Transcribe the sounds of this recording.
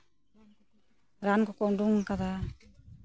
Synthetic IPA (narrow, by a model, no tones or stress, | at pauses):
ɾanɡɔkɔŋduŋkad̪a